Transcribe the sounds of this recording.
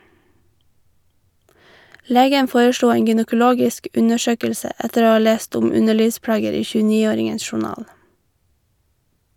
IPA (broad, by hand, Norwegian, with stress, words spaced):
ˈleːɡən ˈfoːɹəˌʃluː ˈeːŋ ɡʏnəkʊˈloːɡɪsk ˈʔʉnəˌʃøːkəlsə ˈɛtəɾ ˈoː ˈɑː ˈleːst ˈʊm ˈʉnəˌɭiːʋˌspɽɑːɡəɾ ˈiː çʉːˈniːoːɾɪŋəns ʃʊˈnɑːl